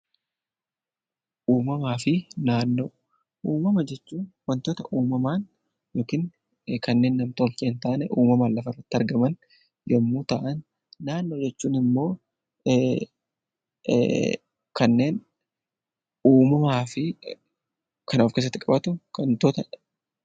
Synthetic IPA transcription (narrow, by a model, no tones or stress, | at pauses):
ʔuːmɐmaːfɪnaːnːo̞ː | ʔuːmɐmɐd͡ʒɛt͡ʃːuːnwɐnt̪oːt̪ɐʔuːmɐmaːn | jo̞ːkɪŋ | kɐnːe̞ːnːɐmt̪oːlt͡ʃʼeːnt̪aːʔnɛʔuːmɐmaːlːɐfɐɪrːɐt̪ːɪɐɾɡɐmɐn | jɔmːuːt̪ɐa̰ːʔɐnː | aːnːo̞ːd͡ʒɛt͡ʃːuːnɪmːo̞ː | kɐnːe̞ːn | uːmɐmaːfɪ | kɐnaːfkeːs̬ɐt̪ːɪkʼɐbɐt̪ʊkɐnt̪oːt̪ɐ